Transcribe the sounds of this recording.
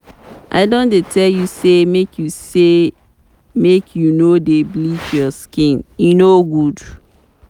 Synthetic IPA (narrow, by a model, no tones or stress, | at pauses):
ʔa̰ɪdõndetʰɛljusemekʰjuse | mekʰjunodeblitjɔskĩnjunoɡud